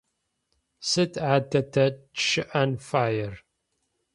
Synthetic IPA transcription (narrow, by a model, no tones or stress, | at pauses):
sɨtʰʕaːdʰɐtʰɐʃɨʔɐnfaːjɛr